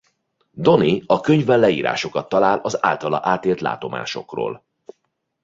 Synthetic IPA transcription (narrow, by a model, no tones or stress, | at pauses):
d̪o̞niɒkø̞ɲvɛlːɛiːɾʔa̰ːʃo̞kɒt̪ːɒlaːlɒza̰ːlt̪ɒlɒ̰ʔaːt̪eːlt̪la̰ːt̪o̞ma̰ːʃo̞̰kro̰ːl